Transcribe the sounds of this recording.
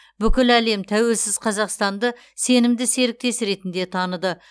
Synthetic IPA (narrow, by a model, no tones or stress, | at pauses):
bʏkʲɪlæle̞mt̪ʰæwe̞lsɪz̥qʰɑzɑqst̪ɑnd̪ə | se̞nɪmd̪ɪse̞ɾɪk̚t̪e̞sɾe̞t̪ɪnd̪e̞t̪ʰɑnəd̪ə